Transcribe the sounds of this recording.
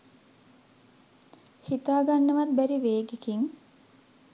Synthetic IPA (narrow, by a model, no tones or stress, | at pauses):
hit̪aːɡanːəʋat̪̚bæɾiʋeːɡekiŋ